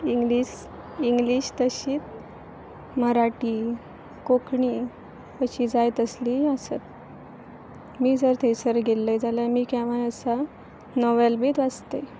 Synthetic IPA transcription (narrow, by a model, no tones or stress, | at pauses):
iŋɡliːɕ | iŋɡliːɕt̪əɕiːt̪̚ | məɾaʈiː | kokɳiː | əɕiːd͡zajt̪əsliːəsət̪̚ | miːd͡zəɾt̪ʰesəɾɡʱelːəjd͡zaləmiːkaʋənəsa | nɔʋelbiːt̪ʋad͡zt̪e